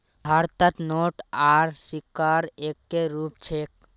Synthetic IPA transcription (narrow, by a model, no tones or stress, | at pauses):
bʱaɾt̪ət̪noːʈaːɾsikːaːɾeːkːeɾuːpt͡ʃʰeːk